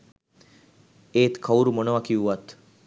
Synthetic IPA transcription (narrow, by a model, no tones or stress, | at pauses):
eːt̪kʰawuɾumonoʋakiuʋat̪